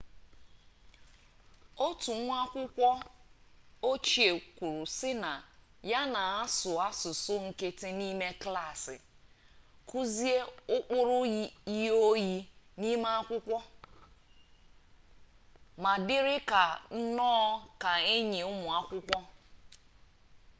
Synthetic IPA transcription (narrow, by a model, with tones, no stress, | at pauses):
o˦tu˨˦ŋʷ˦a˦kʷʊ˦kʷɔ˦ | o˦t͡ʃi˨e˨kʷu˨ɾu˨sɪ˦na˨ | ja˦na˨a˦sʊ˨a˦sʊ˨sʊ˦ŋ̩˦ke˦tɪ˦ni˦me˦kla˦˨sɪ̰˨ | kʰu˦zi˦e˦ʊ˦k͡pʊ˦ɾʊ˦ji˦i˦o˦ji˦ni˦ma˦a˦kʷʊ˦kʷɔ˦ | ma˨dɪ˦ɾɪ˦ka˨n̩˦nɔː˦ka˨e˦ɲi˨ʊ˦mʊ˨a˦kʷʊ˦kʷɔ˦